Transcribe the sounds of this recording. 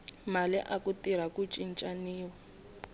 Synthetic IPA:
malɛ̰ʔakutiɾ̤akut͡ʃʼint͡ʃʼaniːwa

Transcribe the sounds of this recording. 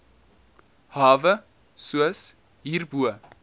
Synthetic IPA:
hɑːvə | suəs | ɦiːrbuə

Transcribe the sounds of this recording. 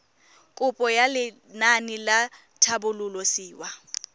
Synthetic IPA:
kʼʊpʼɔjalɪ | nanɪla | tʰabʊlʊlɔsiːwa

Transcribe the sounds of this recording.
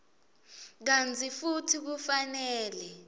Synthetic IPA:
k̬ant͡sʰʼifutʰik̬ufanɛːlɛ

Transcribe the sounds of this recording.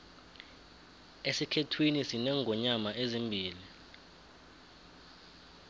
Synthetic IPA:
esikʰetʰwinisinɛŋɡʱɔɲamaʔezimbʱiːli

